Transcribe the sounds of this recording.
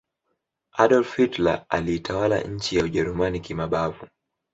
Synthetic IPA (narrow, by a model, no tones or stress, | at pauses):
aɗɔlfitla̰a̰liːtʰawala̰ɲ̩t͡ʃijauʄɛɾumanikimaɓavu